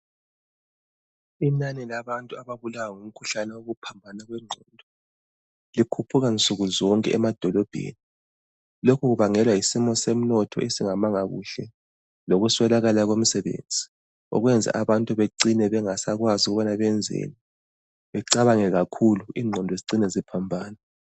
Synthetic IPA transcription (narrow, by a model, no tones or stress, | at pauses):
inanɛlaβantʼuaβaβulawaŋum̩kʰuɬanɛwoɣupʰambʱanaɣwɛŋ͡ǀʱɔndʱɔ | likʰupʰuɣant͡sʼuɣuzɔŋkʼɛʔɛmad̥ʱɔlɔb̥ʱḛːni | lokʰuɣuβaŋɛlwaisimɔsem̩nɔtʰɔ̰ʔesiŋamaŋaɣṵɬɛ | loɣuswɛlaɣalaɣom̩sɛβḛnd͡zʱi | ɔ̰ɣwɛnd͡zʱa̰ʔaβantʼuβeǀinɛβɛŋasaɣwaziɣuβanaβɛnd͡zʱḛni | βɛǀaβaŋɛɣakʰuluiːŋ͡ǀʱɔndʱɔeziǀinɛzipʰambʱaːna